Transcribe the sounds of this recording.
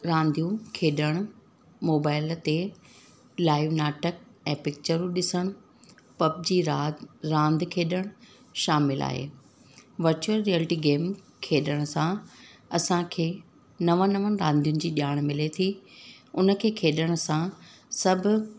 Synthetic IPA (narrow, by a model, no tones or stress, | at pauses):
ɾãːnd̪ijũkʰeːɗəɽ̃ʊ | moːbaːɪlt̪e | laːɪʋnaːʈək̚ɛ̃ːpɪk̚t͡ɕəɾũɗɪsəɽ̃ʊ | pɐb̚d͡ʑiːɾaːɾãːnd̪ʱkʰeːɗəɽ̃ | ʃaːmɪla̰ːɦḛː | ʋɐɾt͡ɕuəɾːielɪʈiːɡeːm | kʰeːɗəɽ̃ʊsãɐsãkʰeː | nɐʋə̃nɐʋənɪ̆ɾãːnd̪ʱijʊnɪ̆d͡ʑiːɗjaːɽ̃mɪlet̪ʰi | ʊnəkʰeːkʰeːɗəɽ̃sãsɐbʱʊ̆